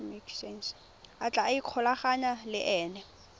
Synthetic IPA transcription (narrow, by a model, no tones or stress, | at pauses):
miksens | at͡ɬʼaaikʰɔlaχaɲalɪʔɛːnɛ